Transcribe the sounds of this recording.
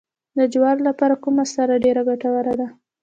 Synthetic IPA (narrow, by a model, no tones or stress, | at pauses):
d̪əd͡ʒwɑɾlapɑɾakumasaɾaɖeɾaɡaʈawaɾad̪a